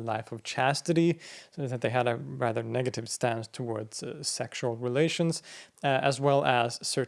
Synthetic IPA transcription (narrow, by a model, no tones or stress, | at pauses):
laɪfʌv̥t͡ʃʰæstɨɾiðɨt̪̚ðeɪɨɾɨɹæðə˞nɛɡɨɾɨv̥stæ̃ndtʰəwɔɹdz̥sɛkʃul̩ˠɹileɪʃɨ̃nz̥ɨzwɛlˠəz̥sɜ˞